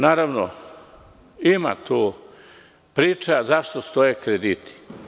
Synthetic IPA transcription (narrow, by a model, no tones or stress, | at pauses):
naːɾaʋno̰ | ima̰t̪uː | pɾiːt͡ʃazaʃt̪ost̪ojekɾed̪it̪ʰi̥